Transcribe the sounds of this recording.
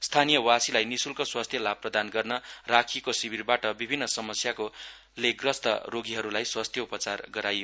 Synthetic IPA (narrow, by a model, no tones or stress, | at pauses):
st̪ʰanijʌwasilajnisulkoswast̪ʰjʌlab̚pːrʌd̪anɡʌrnʌrakʰikosibʱirbaʈʌbibʱinːʌsʌmʌsjako | leɡrʌst̪ʌroɡiɦʌɾulajswast̪ʰjʌupʌt͡sarɡʌɾajo